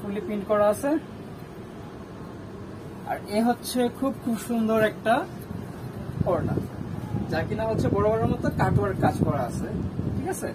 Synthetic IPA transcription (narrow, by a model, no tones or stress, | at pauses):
pulifinkɔɾaasʰe | a̰ɾeɦotːɕʰekʰub̚kʰubʃund̪oɾɛk̚ʈa | pɔɾna̰d͡ʑakinaɦotːɕʰebɔɽobɔɾomɔt̪okaʈaɾkad͡ʑkɔɾaasʰeʈʰikat͡ɕʰe